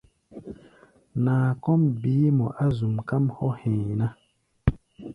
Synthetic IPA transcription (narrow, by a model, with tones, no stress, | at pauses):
naː˨kɔ˦mbiː˨˦mɔ˨ʔa˦zu˨mka˦mhɔ˦hɛ̃˨na˦